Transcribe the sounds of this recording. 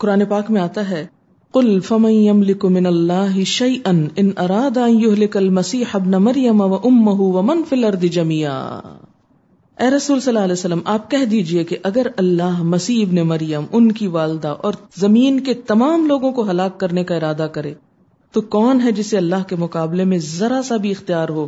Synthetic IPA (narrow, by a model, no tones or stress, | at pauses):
qʊɾaːnepaːkmẽaːt̪aɦɛː | qʊlfɐmɐ̃njɐmlɪkmɪnɐlːaːɦɪʃɐjʔɐnɪnʔɐɾaːd̪aɐ̃njʊɦlɪkɐlmɐsiːħɐbnamɐɾjɐmaʋɐʔʊmːɐɦuʋɐmɐnfilɐɾd̪ɪd͡ʒɐmiːa̰ː | ɛːɾɐsuːlsɐlːaːlɛːsɐlːəmʔaːp̚kɛɦd̪iːd͡ʒiekeʔɐɡəɾɐlːaːɦmɐsiːɪbnemɐɾjəmʊnkiʋaːld̪aʔɔːɾzɐmiːnket̪ɐmaːmloːɡõkoɦɐlaːkːɐɾnekaɪɾaːd̪akɐɾḛ̃ː | t̪okɔːnɦɛd͡ʒɪseɐlːaːɦkemʊqaːblemẽzɐɾasabʱiɪxt̪ijaːɾɦoː